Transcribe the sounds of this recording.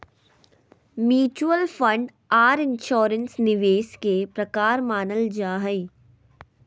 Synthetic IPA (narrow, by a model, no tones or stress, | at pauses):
mjuːt͡ʃuəlfɐ̃ɳɖ | aːɾɪ̃nʃɔːɾənsnɪʋeːskepɾɐkaːɾmaːnəld͡ʒaːɦɐi